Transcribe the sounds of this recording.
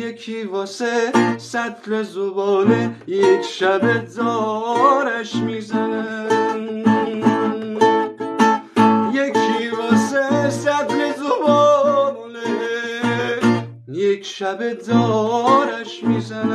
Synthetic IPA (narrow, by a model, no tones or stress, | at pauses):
jekʰivɒːsesæt̪lezobɒːnejekʰʃæbed̪ɒːɾæʃmiːzænæ | jekʰivɒːsesæt̪lezobɔmone | jekʃæbed̪ɒːɾæʃmiːzænæ